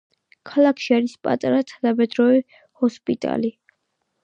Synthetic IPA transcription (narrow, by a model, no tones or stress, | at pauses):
kʰalakʰʃiaɾispʼa̰t̪ʼaɾat̪ʰad̪abɛd̪ɾɔɛ | hɔspʼit̪ʼa̰li